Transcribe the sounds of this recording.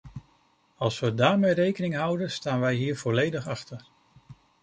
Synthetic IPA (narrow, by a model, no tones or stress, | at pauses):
ɑlˠsʋədaːɹmejrejkənɪŋɦʌwdənstaːnʋɛjɦiːɹvɔlejdəχɑχtəɹ